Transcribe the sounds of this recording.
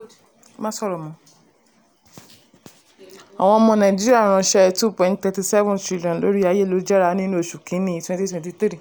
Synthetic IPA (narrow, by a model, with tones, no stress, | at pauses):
mãː˦sɔ˦ɾɔ˨mɔ̃˨˧˦ | a˨w̃ɔ̃˧ɔ˧mɔ̃˧nã˨d͡ʒi˦ɾi˦a˦˨ɾ̃ã˧ʃɛ˦tu˦pɔ̃˨nttɛ˧ti˧sɛ˦vɔ̃˦ntɾi˦li˨ɔ̃˨n˨lo̰˨˦ɾi˦a˧˦je˦˨lo˨˦d͡ʒɛ˦ɾa˧nĩ˦ñ˦o˦˨ʃu˨kĩ˨˦nĩ˦˧twɛ̃˧˦nti˦twɛ̃˨nti˧t̪ɾi˦˨